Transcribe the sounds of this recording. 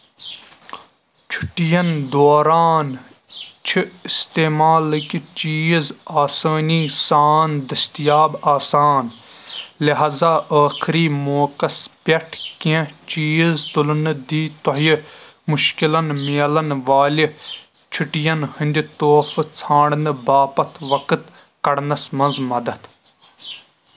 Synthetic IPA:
t͡ʃʰu̥ʈijɐnd̪oːɾaːn | t͡ʃʰiist̪eːmaːlɨkit͡ʃiːzaːsəːniːsaːnd̪ɐst̪ijaːbaːsaːn | lɐɦaːzaːʔaːxʰiɾiːmoːkɐspʲɐʈʰkẽt͡ʃiːzt̪ʊlnɨd̪iːt̪oɦjmʊʃkilɐnmeːlɐnʋaːli | t͡ʃʰuʈijɐnhĩnd̪ʲit̪oːft͡sʰãːɽnɨbaːpɐt̪ʰʋɐkɨt̪ | kɐɽnɐsmɐnzmɐd̪ɐt̪

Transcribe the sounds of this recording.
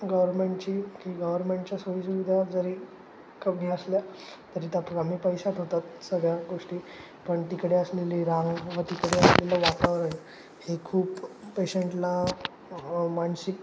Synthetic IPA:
ɡəʋəɾmeɳʈt͡ɕiːkiːɡəʋəɾmeɳʈt͡ɕjasoʋisuʋid̪ʱad͡zəɾiː | kəbniəsljat̪əɾiːt̪apamiːpəjsat̪ɦot̪at̪səɡɭjaɡoʂʈiː | pəɳt̪ikɽeəsleliːɾãŋɡʋət̪ikɽeəslelaʋakaʋəɾaɦe | hekʰuːpːeɕeɳʈla | mansik̚

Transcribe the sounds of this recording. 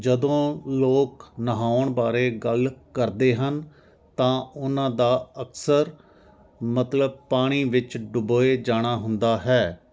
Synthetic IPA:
d͡ʒəd̪õːloːknəɦaːəɳbaːɾeːɡəlkəɾd̪eːɦən | t̪ãːʊnãːd̪aːəksəɾ | mət̪ləb̚paːɽ̃iːʋɪt͡ʃɖʊboːeːd͡ʒaːɽ̃aːɦʊnd̪aːɦɛː

